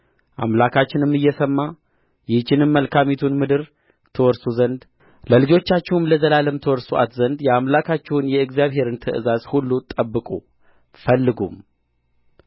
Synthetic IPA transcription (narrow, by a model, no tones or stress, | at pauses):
ʔa̰mlakʰat͡ʃːɪnɨmːɨjːɛsəmːa | jɪht͡ʃːɪnɨmːəlkʰamit̪ʰunmɨd̪ɨɾ | t̪ʰəwɔɾsuzənd̪ | ləlɨd͡ʒo̞t͡ʃːat͡ʃːɛhumləzəlaləmt̪ʰəwɔɾsuʔa̰t̪zənd̪jɛamlakʰat͡ʃːɛwunjɛɨɡzijaβɦe̞ɾɨnt̪ʰəʔɨ̰zazhulːut̪ʼəbːɨkʼu | fəlːɨɡṵm